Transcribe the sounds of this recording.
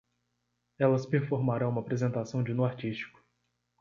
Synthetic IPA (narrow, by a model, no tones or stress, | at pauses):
ɛlɐspeɾfoɾmaɾɐ̃ũmɐapɾezẽnt̪asɐ̃w̃d͡ʒɪnuaɾt͡ʃist͡ʃi̥kʊ̥